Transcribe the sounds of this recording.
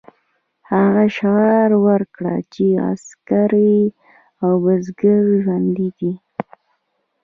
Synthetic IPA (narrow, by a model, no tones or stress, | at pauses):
haɣaʃaɾwəɾkɽa̰t͡ʃea̰skaɾi | awbəzɡəɾʒwand̪id̪i